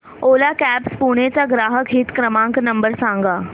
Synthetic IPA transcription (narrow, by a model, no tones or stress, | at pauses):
olakæpspuɽ̃et͡saɡɾaːɦəkɦiːt̪kɾəmãŋknəmbəɾsãŋɡa